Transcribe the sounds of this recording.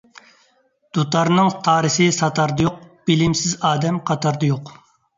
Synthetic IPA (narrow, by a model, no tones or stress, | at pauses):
d̪̥ut̪ɑɾnɨŋt̪ʰɑːɾɨsɨsɑt̪ʰɑɾd̪ɑjoq̚b̥ɪlɪmsɪzɑːd̪ɛmqʰɑt̪ʰɑɾd̪ɑjoq